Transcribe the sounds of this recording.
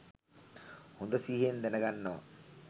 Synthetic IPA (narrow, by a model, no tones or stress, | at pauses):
hond̪əsiːɦend̪enəɡanːəʋa̰